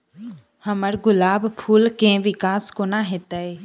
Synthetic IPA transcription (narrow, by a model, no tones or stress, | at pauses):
həməɾɡʊlaːbpʰuːlkẽʋɪkaːskonaɦeːt̪ae